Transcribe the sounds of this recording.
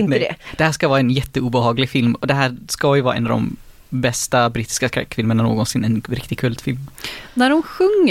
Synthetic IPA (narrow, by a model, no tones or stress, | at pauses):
nnd̪ɛ̰d̪̥ɛhæːʂkavɑːɾɛnjɛt̪ːəuːbəhɑːɡlɪɡfɪlmɔd̪ɛɦæːɾskɑjɵvɑ̰ːɾɛ̰nɑvd̪ɔ̰m | bɛst̪abɾiːt̪ɪ̥skaskɾɛ̰kːʰvɪlmənano̰ːɡɔnsɪnːɛnɾɪkt̪ɪɡkʰʉlt̪fɪlmnæɾʊmɧɵŋː